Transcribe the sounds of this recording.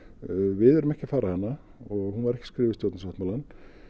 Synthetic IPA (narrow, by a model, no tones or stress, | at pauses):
vɪðɛɾʏmɛhcɪafaːɾahanːa | ɔɣɦhunvaɾɛhcɪ̥skɾɪːvɪst̪jowt̪ns̬vawht̪maːlan